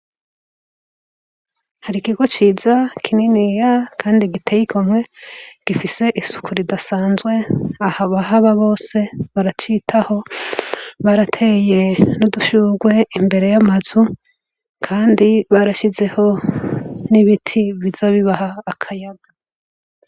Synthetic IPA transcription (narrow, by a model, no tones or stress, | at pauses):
haɾikiɡo̞t͡ʃiːzakʰininijakʰaːndiɡitʰejikʰomŋe̞ɡ̥ifise̞ʔisu̥kʰuɾidasaːnzɡwe̞ahaβahaβaβo̞ːse̞βaɾat͡ʃitʰaho̞ | βaɾatʰe̞je̞nuduʃuɡwe̞ʔimbe̞ɾe̞jamazu | kʰaːndiβaɾaʃize̞ho̞ | niβitʰiβizoβiβahaːkʰajaɡa